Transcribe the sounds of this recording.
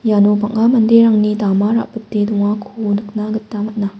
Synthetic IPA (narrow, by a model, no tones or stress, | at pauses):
janopaŋamɐndeɾaŋnidamaɾa̰ʔpɯt̚deduŋakʰonɯk̚naɡɐtːamɐt̚na